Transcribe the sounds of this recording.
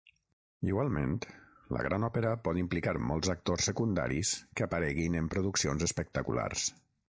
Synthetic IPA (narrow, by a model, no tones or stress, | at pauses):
iɣwalˠmḛnt̪ | lə̰ɣ̞ɾanɔpəɾəpɔt̪implikaɾmɔlˠzak̚t̪orsːəkund̪a̰ɾiskəapəɾɛɣinəmpɾuðuksionzəspək̚t̪əkula̰rs